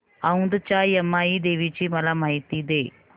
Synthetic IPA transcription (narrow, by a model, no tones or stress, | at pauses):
ɐund̪ɨt͡ʃaːjɐmːaːjid̪eːʋit͡ʃimɐlɐmɐjt̪id̪e